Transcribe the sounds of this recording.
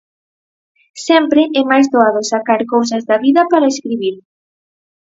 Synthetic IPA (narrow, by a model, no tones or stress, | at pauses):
sɛmpɾɪʔɛmajzðoaðʊsakaɾkows̬ɐzðɐβiðɐpaɾɐeskɾiβiɾ